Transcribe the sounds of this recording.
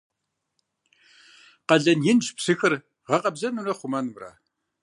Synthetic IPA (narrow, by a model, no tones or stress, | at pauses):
qɐɮɐnjɪnʒpsɨxɨr | ʁɐqʼɐbzɐnurɐχʷʊmɐnbra̰ː